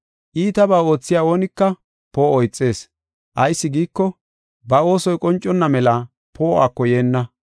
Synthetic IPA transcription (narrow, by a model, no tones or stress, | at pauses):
ʔiːt̪ɐbaːo̞ːt͡sːɪjaːo̞ːnɪkːɐ | po̞ːɔjt͡sʼːe̞ːs | ʔɐjsːɪɡiːkːɔ | bɐo̞ːsɔjkʼɔnt͡ʃʼːɔnːɐmɛla | pʰo̞ːa̰ːkːɔje̞ːnːɐ